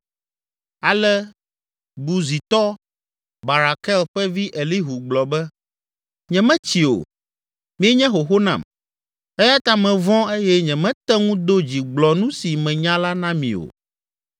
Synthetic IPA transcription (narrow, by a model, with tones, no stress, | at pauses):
a˨lɛ˦ | bu˨zi˨t̪ɔ˦ | ba˨ɾa˨kɛ˦lɸɛ˦vi˦ʔe˨li˦ɦu˨ɡ͡blɔ˨bɛ˦ | ɲɛ̃˨mɛ̃˦t͡ɕi˨o̰˨ | mĩ˨ɛ˦ɲɛ̃˦ɦo˨ɦo˦nã̰˨m | ɛ˦ja˦t̪a˦mɛ̃˨vɔ̃˦e˦jɛ˦ɲɛ̃˨mɛ̃˦t̪ɛ˦ŋũ˦d̪o˦d͡ʑi˨ɡ͡blɔ˨nũ˦si˨mɛ̃˨ɲã˦la˦nã˦mĩ˨o̰˨